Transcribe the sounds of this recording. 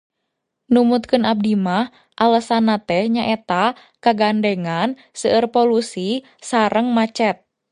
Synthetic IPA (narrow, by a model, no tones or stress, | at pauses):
numut̪̚kɨnʔab̚dimah | ʔalasanat̪ɛhɲaʔɛt̪a | kaɡandeŋan | səərpolusi | saɾəŋmat͡ʃɛt̪̚